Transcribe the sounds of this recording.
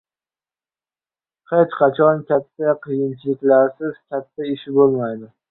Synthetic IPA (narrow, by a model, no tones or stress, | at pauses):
qʰet͡ʃqʰɑt͡ʃʰɒnkʲʰat̪ʰːaqʰɨjɪnt͡ʃʰɪlɪkʲlaɾsɪz̥kʲʰat̪ʰːaɪʃɪbolˠmajd̪ɪ